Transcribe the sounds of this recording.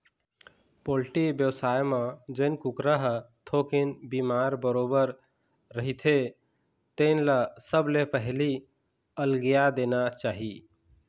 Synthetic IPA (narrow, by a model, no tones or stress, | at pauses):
polʈibjəwsajmãd͡ʒəɪnkũkɾəɦt̪ʰokinbimaɾbəɾobəɾː | əɦit̪ʰe | t̪əɪnlasəblepəɦli | əlɡijad̪enat͡ʃaɦi